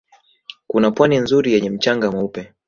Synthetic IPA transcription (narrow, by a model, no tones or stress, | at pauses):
kunapwaninzuɾijɛɲɛm̩t͡ʃaŋɡamaupɛ